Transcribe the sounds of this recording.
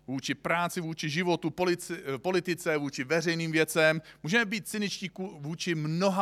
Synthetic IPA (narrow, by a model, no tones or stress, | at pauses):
vuːt͡ʃɪpɾaːt͡sɪvuːt͡ʃɪʒɪvo̞t̪upolɪpo̞lɪt̪ɪt͡sɛvuːt͡ʃɪvɛrɛjniːmvjɛt͡sɛmmuːʒɛmɛbiːt̪̚t͡sɪnɪt͡ʃciːkuvuːt͡ʃɪmno̞ɦa